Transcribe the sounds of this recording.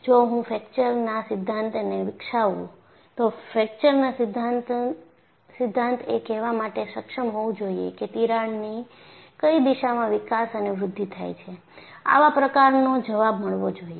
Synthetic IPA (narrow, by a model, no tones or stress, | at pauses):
d͡ʒoɦũfɛkt͡ʃəɾnasɪd̪ʱːãnt̪neʋɪkʃaʋṵ̃ | t̪ofɛk̚t͡ʃəɾnasd̪ʱat̪ | sɪd̪ʱːãnt̪ʰekɛʋamaʈeʃəkʃəmɦoʋũd͡ʒoiḛket̪iɾaɳni | kəid̪iʃamãʋɪkasəneʋɾʊd̪ʱːit̪ʰa̰jt͡ʃʰe | a̰ʋapɾəkaɾnod͡ʒəʋabməɭʋod͡ʒoie